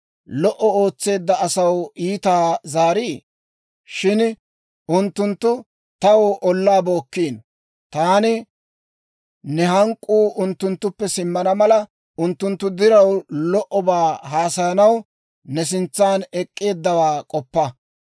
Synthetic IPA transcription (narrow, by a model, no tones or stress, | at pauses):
lɔʔɔoːt͡sːe̞ːd̪ːɐɐsɐwiːt̪aːzaːɾiː | ʃɪn | ʊnt̪ːʊnt̪ːʊ | t̪ɐwʔɔlːaːbo̞ːkːiːn | t̪aːnɪ | nɛɦɐŋkʼːuːʔʊnt̪ːʊnt̪ːʊpːɛsɪmːɐnɐmɐlɐ | ʊnt̪ːʊnt̪ːʊd̪ɪɾɐwlɔʔɔbaːɦaːsɐjɐnɐw | nɛs̬ɪnt͡sːaːnɛkʼːe̞ːd̪ːɐwaːkʼɔpːɐ